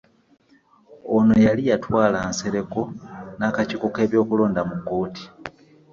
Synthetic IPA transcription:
onojalijatwaːlaːnse̞ɾe̞ko̞naːkaciko̞ke̞ːβjo̞ːkuloːndamuɡːo̞ːti̥

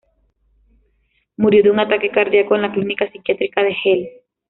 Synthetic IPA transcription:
muɾjoðeuŋat̪ake̞kaɾðjakoenlaklinikasikjat̪ɾikaðe̞xel

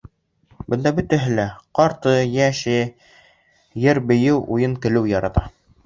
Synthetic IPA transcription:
bɤ̆nd̪ɑbɵ̆t̪æɦɘ̆læqɑɾt̪ɤjæʃɘ | jɘɾbɘ̆jɘwujɤŋkɘ̆lɘwjɑɾɑt̪ɑ

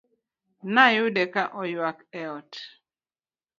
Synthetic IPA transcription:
najʊdɛkaʔɔjwakɛɔt

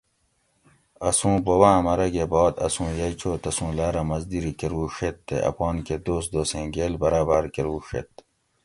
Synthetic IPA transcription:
ɐsũːbowãmɐɾɐɡebɔːd̪ɐ̰sũːjɐjt͡ɕʰoːt̪ɐsũːlaːɾɐmɐzd̪iɾikeɾuːʂet̪ːḛʔɐ̰pɔːnked̪oːsd̪oːsẽːɡelbɐɾaːbaɾkeɾuːʂḛt̪̚

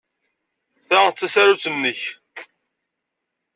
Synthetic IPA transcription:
θæt͡sːæsæɾut͡sənːəç

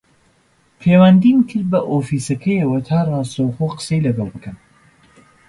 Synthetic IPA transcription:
pʰeːwand̪imkʰɨɾbɐʔofiːsɐkʰɐjɐwɐt̪ʰaːrˤɑːst̪ɐwχoːqə̥sejlɐɡɑlˠbɨkʰɐn

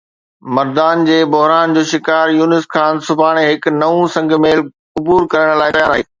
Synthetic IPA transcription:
mɐɾd̪aːnd͡ʑeːbʊɦɾaːnd͡ʑoːʃɪkaːɾjuːnɪskʰãːnsʊbʱaːɽ̃eɦɪknɐʋũsɐ̃ŋɡʱmeːl | ʊbuːɾkɐɾəɽ̃laːɪʈɐjaːɾaːɦeː

